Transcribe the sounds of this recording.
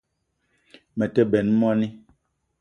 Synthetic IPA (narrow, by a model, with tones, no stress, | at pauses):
mɛ˨tɛ˦bɛ˨n˦mɔ˦ni˦